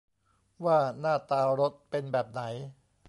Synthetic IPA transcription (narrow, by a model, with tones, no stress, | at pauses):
waː˥˩naː˥˩t̪aː˧ɾo˦˥t̪̚pe˧nbɛː˨˩p̚na˩˦j